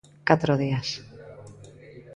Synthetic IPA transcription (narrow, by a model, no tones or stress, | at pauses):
kat̪ɾoð̞ias